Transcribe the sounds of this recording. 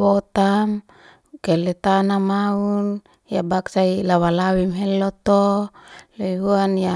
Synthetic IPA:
ot̪am | kelɛt̪anamaun | jabaksailawalawimɦelːot̪o | loiɦuanja

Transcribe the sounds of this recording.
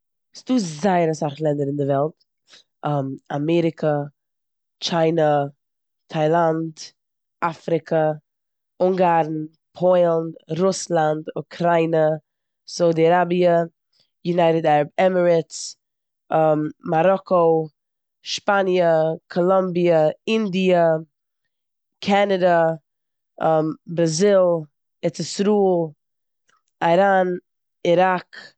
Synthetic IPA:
sduːzaɪəɾəsaχlˠɛndəɾɪndɪvɛlˠt | ɛmamɛɾɪkʰə | t͡ʃaɪnə | tʰaɪlˠand | afɾɪkʰə | ʊŋɡaɾn̩ | pʰɔɪlndɾʊslˠandʊkʰɾaɪnə | saʊdiaɾabiə | junaɪɾədaɾəbɛməɹɪs | maɾɔko | ʃpanjəkʰɔlˠɔmbiəɪndiə | kʰanadə | bɾazɪlˠ | ɛtɪsɾuːlˠ | aɾan | iɾak

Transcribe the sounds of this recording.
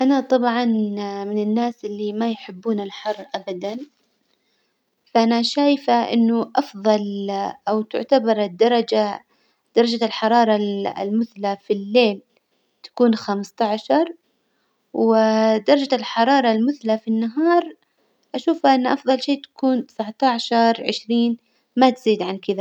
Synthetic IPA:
ʔanat̪ˤɑbʕɑnmɪnɪnːaːsʔɪlːimajħɪbːuːnalħɑrˤːʔabad̪an | faʔanaʃaːjfaʔɪ̰nːʊʔɑfðˤɑlʔawt̪ʊ̰ʕt̪abɑɾˤɪd̪ːɑɾˤɑd͡ʒa | d̪̥ɑɾˤɑd͡ʒalħɑɾˤɑːɾˤɑ̰lmʊθlafilːeːl | t̪ḁkuːnxamst̪aʕʃɑɾˤ | wɪd̪ɑɾˤɑd͡ʒalħɑɾˤɑːɾˤɑlmʊθlafinːaɦɑːɾˤ | ʔaʃuːfaʔɪnːʔɑfðˤɑlʃeːt̪ḁkuːnt̪ɪ̥saʕt̪aʕʃɑɾˤʕɪ̰ʃɾiːn | mat̪ziːd̪ʕankɪða

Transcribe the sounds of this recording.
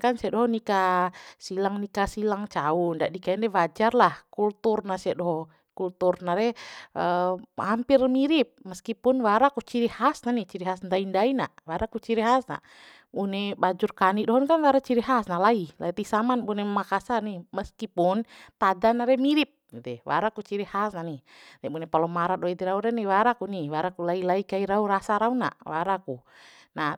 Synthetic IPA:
kansiadɔɦɔnikasilaŋnikasilaŋt͡ʃaundaʔdikaɛndɛwad͡ʒarlahkult̪urnasiadɔɦɔ | kult̪urnaɾɛəhampirmiɾip̚məskipunwaɾakut͡ʃiɾihasnaniht͡ʃiɾiɦasndaindainaʔwaɾakut͡ʃiɾiɦasna̰ʔ | unɛbad͡ʒurkaniʔdɔɦɔnkanwaɾat͡ʃiɾiɦasnalailait̪isamanbunɛmmakasaniməskipunt̪adanaɾɛmiɾip̚t̪ɛwa̰ɾakut͡ʃiɾihasnani | nɛbunɛpalɔmaɾadɔit̪iɾauɾɛniwaɾakuniwaɾakulailaikaiɾauɾasaɾauna̰ʔwaɾaku | na

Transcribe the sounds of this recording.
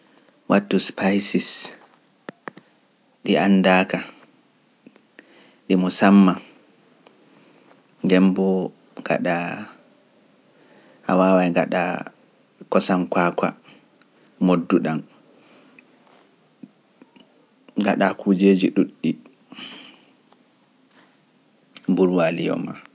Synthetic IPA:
wʔatːuspʰajsis | ɗianːdaːka | ɗimusamːa | ŋɡɛmbɔ | ŋɡa̰ɗa | ha̰waːwajŋɡaɗa̰ | kɔsankwaka̰ | modːuɗan | ŋɡa̰ɗakud͡ʒeːd͡ʒiɗuɗːi | mbuɾwalijɔ̰ma̰

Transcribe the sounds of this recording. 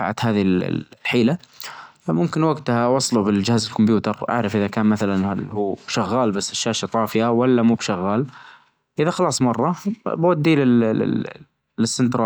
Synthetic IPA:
a̰ʕa̰t̪haːðil̰lħiːla | mʊmkɪnwaɡt̪hawɑsˤlubɪld͡ʒɪhaːzɪlkʊmbjuːt̪ɑɾˤʔa̰ʕɾˤɑfʔɪðakaːnmaθalanhuːbʃaɣːaːlbasːɪʃːaːʃat̪ˤɑːfɪjawalːamuːbʃaɣːaːl | ʔɪðaxɑlɑːsˤmɑrˤːɑbawad̪ːiːlɪ | ɪsːɪnt̪ɾˤɑ

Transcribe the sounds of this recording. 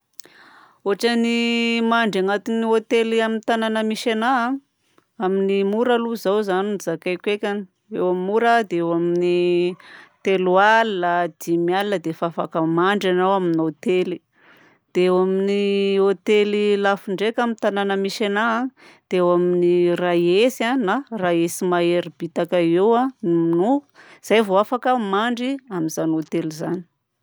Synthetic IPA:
oʈ͡ʂanimaɳɖ͡ʐaŋat̪iniot̪eliaminit̪ananəmiʃena | aminimuɾaluzawzaninzakajkʲekʲani | ewammːuɾad̪eewamini | t̪elualːad̪̥imialinəd̪efaafa̰kəmaɳɖ͡ʐanawaminot̪eli̥ | d̪̥eewaminiot̪elilafiɳɖ͡ʐekʲamit̪ananəmiʃanad̪̥eewaminiraesanaraesimaeɾib̥it̪akaewaniminuz̥ajvoafakəmaɳɖ͡ʐiamizanot̪elizani̥

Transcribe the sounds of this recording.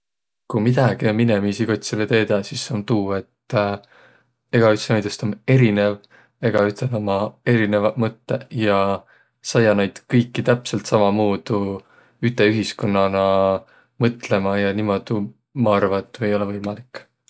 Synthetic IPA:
kumid̪̥ɑɡ̥iomine̞misiɡ̥ot̪ʲsilet̪e̞ːd̪ɑsisont̪uːe̞t̪ː | e̞ɡ̥ɑyt̪senojd̪est̪ome̞ɾine̞v | e̞ɡ̥ɑyt̪enomɑe̞ɾine̞vɑmɤt̪ːe̞jɑ | sɑjɑnejd̪̥kɤjkːit̪æpse̞lt̪sɑmɑmuːd̪̥u | yt̪ːˑe̞yɦisko̞nːɑnɑ | mɤt̪ˑle̞mɑjɑnimo̞d̪̥u | mɑɑrvɑt̪ːˑue̞jo̞levɤjmɑlikː

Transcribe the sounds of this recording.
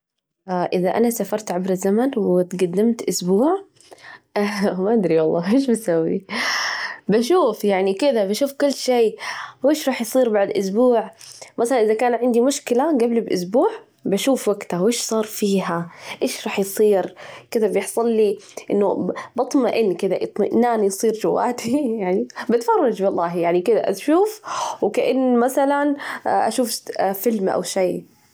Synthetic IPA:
ʔaʔɪðaʔa̰nasafɑɾˤt̪ʕabɾɪzːamanwɪt̪ɡad̪ːɪmt̪ʔʊsbuːʕ | maʔad̪ɾiwɑlˤːɑːʔeːʃ̬basawːḭ | baʃuːfjaʕnikɪðabaʃuːfkʊlːʃeːwʔeːʃɾˤɑːħjsˤiːɾbaʕd̪ʔʊsbuːʕmʔasalanʔɪðakaːnʕɪnd̪imʊʃkɪlaɡablibʔʊ̰sbuːʕ | baʃuːfwaɡt̪awʔeːʃsˤɑːɾˤfiːɦaʔeːʃɾˤɑːħjsˤiːɾkɪd̪abjɪħsˤɑlːiʔɪnːʊbɑt̪ˤmaʔɪnːkɪd̪aʔɨt̪ˤma̰ʔnaːnjsˤiːɾd͡ʒʊwːa̰ːt̪ijaʕnibɪt̪fɑrˤːɑd͡ʒbɑlˤːɑːɦjaʕnikɪd̪a̰ʔa̰ʃuːfwkaʔɪnːmaθalanʔa̰ʃuːffɪlmʔa̰wʃaj

